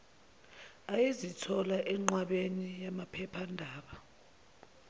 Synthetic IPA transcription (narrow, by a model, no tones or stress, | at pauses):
ajezitʰɔlaʔɛŋ͡ǃwaɓenijamapʰɛpʰandʱaːɓa